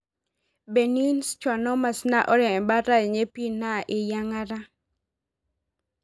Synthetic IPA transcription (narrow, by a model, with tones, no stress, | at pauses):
be˨ni˦nst͡ʃwa˨nɔ˦ma˨sna˦˨ʔɔ˦ɾɛ˨ba˦ɾa˦˨ɲe˦pi˦na˦˨ʔɪ˨ja˦ŋa˦ɾa˦